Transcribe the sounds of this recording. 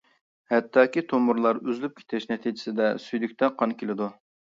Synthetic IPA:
hɛt̪ʰːɑːkʲit̪ʰomʊɾlˠɑɾyzlyp̚kʲʰe̥t̪ʰɪʃnɛt̪ʰid͡ʒɪsɪd̪ɛsyjd̪ykʲt̪ʰɛqʰɑnkʲʰelɪd̪u

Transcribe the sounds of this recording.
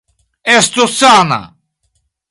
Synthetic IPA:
est̪osaːna̰

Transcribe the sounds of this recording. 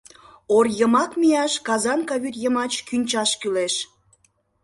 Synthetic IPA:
orjəmɑkmijɑʃkɑzɑnkɑβyt̪jəmɑt͡ɕkynʲt͡ɕɑʃkyleʃ

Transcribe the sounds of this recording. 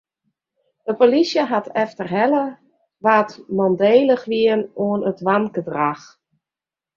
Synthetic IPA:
dəpolisjəɦatʰɛftərɦɛlə | ʋaːtmɔndeːləxʋiənoənətʋanɡədrax

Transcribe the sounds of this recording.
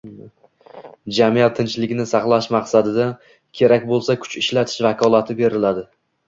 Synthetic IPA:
d͡ʒamijat̪ʰːɪnt͡ʃlɪɡʲɪnɪsɑχlˠaʃmaqsad̪ɪd̪a | kʲʰe̞ɾakʲbolˠsakʰʊ̥t͡ʃɪʃlat̪ʰɪ̥ʃvakʰɒlˠat̪ʰɪbe̞ɾɪlad̪ɪ

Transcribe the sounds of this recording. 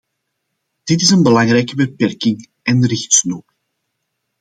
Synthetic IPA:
d̥ɪtɪsənbəlɑŋɾɛjkəbəpɛrkɪŋ | ʔɛnɾɪxtsnoːr

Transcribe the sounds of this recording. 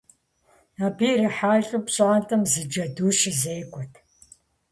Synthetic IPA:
aːbiːrɐħaːjɬʼupɕʼaːntʰʼɐmzɨd͡ʒɐduːʃɪzeːkʷʼɔtʰ

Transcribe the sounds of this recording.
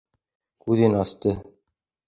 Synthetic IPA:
kʉðɘnɑst̪ɤ

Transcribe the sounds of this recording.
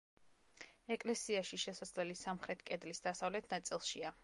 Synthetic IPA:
ɛkʼlɛsiaʃiʃɛsad̪zlɛlisamχɾɛt̪ʰkʼɛd̪lisd̪asavlɛt̪ʰnat̪sʼilˠʃia

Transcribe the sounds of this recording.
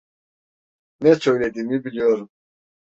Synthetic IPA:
nɛt͡ʃʰɔjlɛd̪iːmibilijoɾum

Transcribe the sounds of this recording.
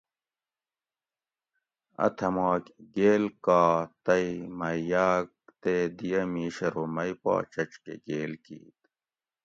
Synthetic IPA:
ɐ̰t̪ʰɐmaːkɡeːlkaːt̪ɐimɐjaːk̚t̪ed̪ijɐmiːɕɐɾomɐipɑ̰ːt͡ɕɐt͡ɕkḛɡeːlkḭːt̪

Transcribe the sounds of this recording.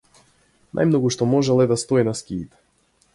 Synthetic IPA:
na̰jmnɔɡuʃt̪ɔmɔʒɛlˠɛd̪ast̪ɔinaskʲiːt̪ɛ̥

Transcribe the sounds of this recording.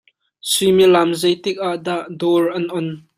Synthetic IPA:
similamzɐjt̪ɪk̚ʔaʔdaʔdɔːrʔɐnʔɔn

